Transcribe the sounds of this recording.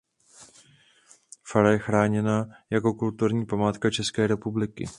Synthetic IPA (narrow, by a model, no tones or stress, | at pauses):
faɾajɛxɾaːɲɛnajako̞kult̪uɾɲiːpamaːt̪kat͡ʃɛskɛːɾɛpublɪkɪ̰